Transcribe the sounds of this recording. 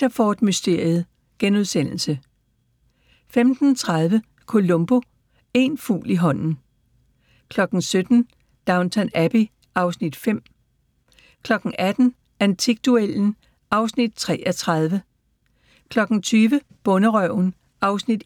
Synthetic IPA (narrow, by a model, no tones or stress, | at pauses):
ɐfɒːd̥mysd̥e̝ɐ̰jð̞̩ˠ | ɡ̥enuð̞ˠsen̰l̩sə | femd̥n̩t͡sʰʁað̞ˠʋə | kʰo̝lɔ̽mb̥o̝ | e̝nfṵːliɦɒ̽n̰n̩ | kʰlɒ̽ɡ̥n̩sød̥n̩ | d̥ɑ̈ʊnt͡sʰænæpi | ʔɑ̈ʊsnid̥fem̰ | kʰlɒ̽ɡ̥n̩ʔæd̥n̩ | ænt͡sʰiɡ̥̚d̥uel̰n̩ | ɑ̈ʊsnid̥̚t͡sʰʁɛ̰ːʔɐt͡sʰʁað̞ˠʋə | kʰlɒ̽ɡ̥n̩t͡sʰyːʋə | b̥ɔ̽nəʁœʊ̰n | ʔɑ̈ʊsnid̥